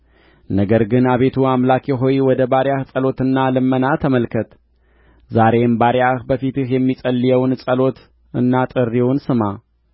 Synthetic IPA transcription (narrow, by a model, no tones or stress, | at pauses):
nəɡəɾɡɨnaβe̞t̪ʰuamlakʰeɦo̞jwɔd̪əbaɾjahsʼəlo̞t̪ɨnːalɨmːənat̪ʰəməlkʰət̪ | zaɾe̞mbaɾjahbəfit̪ɨhjɛmːisʼəlːijɛwnsʼəlo̞t̪ | ɨnːat̪ʼɨrːiwunsɨma